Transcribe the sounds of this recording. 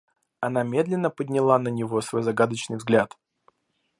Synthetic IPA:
ɐnamʲe̞d̪lʲɪnːəpədʲnʲɪlˠanənʲɪvo̞svo̞jzɐɡad̪ət͡ɕnɨjvzɡlʲat̪

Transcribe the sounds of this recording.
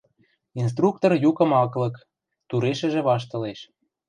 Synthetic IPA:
ins̬t̪ruk̚t̪orjukə̆mɑklɤ̆k | t̪uɾeʃə̆ʒĕβɑʃ̬t̪ɤ̆leʃ

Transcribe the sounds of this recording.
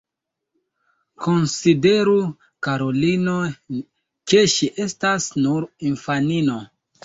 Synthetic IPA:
ko̞nside̞ɾu | kaɾo̞lino̞ | ke̞ʃiʔe̞stasnuɾinfanino̞

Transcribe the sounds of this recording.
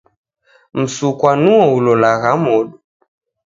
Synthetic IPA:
m̩sukwanuɔulɔlaɣamɔɗu

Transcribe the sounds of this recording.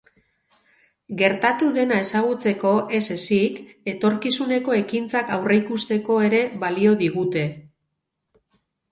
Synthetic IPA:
ɡe̞ɾt̪at̪uðe̞nae̞saɣ̞ut͡se̞ko̞ʔe̞se̞sike̞t̪o̞ɾkisune̞ko̞e̞kint͡sakawre̞jkust̪e̞ko̞e̞ɾe̞βalio̞ðiɣut̪e̞

